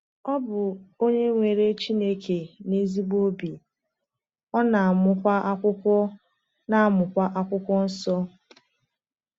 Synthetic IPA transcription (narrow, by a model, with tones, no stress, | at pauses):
ɔ˦bʊ˨o˦ɲe˦ŋʷe˨ɾe˦t͡ʃi˦ne˦kʰe˨ne˦zi˦ɡ͡bo˦bi˨ | ɔ˦na˨a˨mʊ˦kʷa˦ʔa˦kʷʊ˦kʷɔ˦ | na˦a˦˨mʊ˨kʷa˦ʔa˦kʷʊ˦kʷɔ˦n̩˦sɔ˦